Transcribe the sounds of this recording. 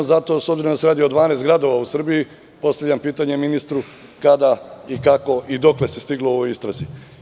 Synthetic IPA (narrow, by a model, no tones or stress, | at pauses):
zat̪o̞ːsobziɾond̪aseɾaːd̪iod̪ʋaːneːst̪ɡɾad̪o̞ʋausr̩biji | po̞st̪aʋʎampiːt̪aɲe̞minist̪ɾu | kad̪aikako̞ʔid̪o̞kle̞se̞st̪iɡlooʋojist̪ɾazi